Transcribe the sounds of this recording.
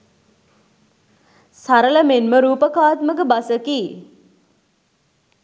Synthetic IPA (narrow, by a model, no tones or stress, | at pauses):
saɾələmenməɾuːpəkaːt̪məkəbasəkiː